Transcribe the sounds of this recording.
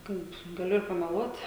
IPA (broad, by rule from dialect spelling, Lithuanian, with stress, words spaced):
ˈkɐɪp ɡɐˈlʲʊ ɪr pɐmʲɛˈlˠuɔt